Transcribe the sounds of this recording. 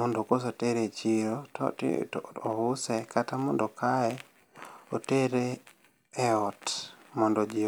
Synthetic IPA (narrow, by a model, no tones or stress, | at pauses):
mɔndokos̬oteɾet͡ʃiɾot | ɔʊsɛkatamɔndɔkʰaɛ | oteɾeː | ɔtmɔndɔd͡ʒi